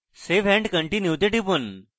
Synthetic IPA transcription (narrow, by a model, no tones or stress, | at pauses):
seʋɛ̃ɳɖkəɳʈinjuʋt̪eʈipən